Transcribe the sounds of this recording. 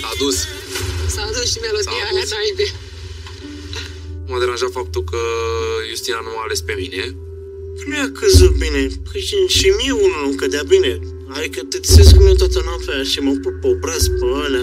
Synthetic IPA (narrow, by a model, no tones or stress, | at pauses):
ad̪us | saːd̪usʃimalusiaaajd̪e | mad̪eɾanʒat̪fap̚t̪ulkəjust̪inanumaːle̞spemine | kɾujakɨzukbinekʰiʃimiunulukəd̪eabine | aɾikət̪ɨt̪seskumiet̪oat̪ənafaʃimapupopɾasbana